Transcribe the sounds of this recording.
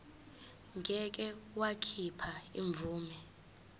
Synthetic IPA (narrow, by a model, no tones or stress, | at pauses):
ŋɡʱɛk̬ʼɛwakʰipʰaḭɱb̪vʱuːmɛ